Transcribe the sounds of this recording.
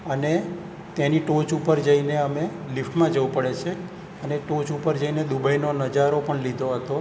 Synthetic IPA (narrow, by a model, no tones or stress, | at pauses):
əne | t̪eniʈot͡ʃupəɾd͡ʒəineəme | lifʈmãd͡ʒəʋupəɽet͡ʃʰe | əneʈot͡ʃupəɾd͡ʒəined̪ubʱainonəd͡ʒaɾopəɳlid̪ʱoɦət̪o